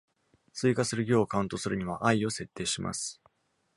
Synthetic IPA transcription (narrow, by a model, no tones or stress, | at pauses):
t͡sɨiːkasɨɾɯ̟ɡʲo̞ːkaɯ̃nt̪o̞sɨɾɯ̟ɲ̟iβaʔaio̞se̞t̪ʰːe̞ːɕima̰sɨ̥